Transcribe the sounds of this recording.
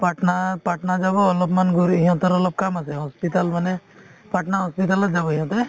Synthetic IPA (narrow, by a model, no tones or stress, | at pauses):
paʈnapɾaʈnad͡ʒabɔːlɔbmanɡuɾɦiɦɔ̃t̪ɔɾɔlɔb̚kamasɛɦɔspit̪almanepɾaʈnaɦɔspit̪alɔd͡ʒabɔɦĩɦɔ̃t̪ɔ